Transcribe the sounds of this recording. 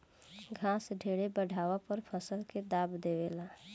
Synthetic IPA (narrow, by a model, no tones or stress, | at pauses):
ɡʱãːsɖʱeːɽebəɖʱaːʋapəɾpʰəsəlked̪aːbd̪eːʋeːlaː